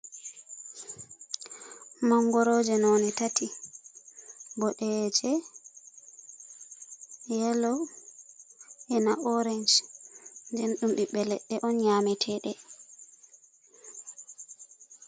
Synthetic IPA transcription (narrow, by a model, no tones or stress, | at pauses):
maŋɡɔɾod͡ʒɛnɔnitati | bɔɗɛd͡ʒɛ | jɛlɔ | ʔɛnaʔɔɾend͡ʒ | ndɛnɗumɗiɓɛlɛ̰ɗɛʔɔnɲamɛtʰɛɗɛ